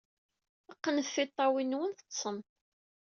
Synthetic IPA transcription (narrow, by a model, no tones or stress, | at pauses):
əqːənəθːɪt̪ˤːɑwinːwənθə̥t̪ːsˤəm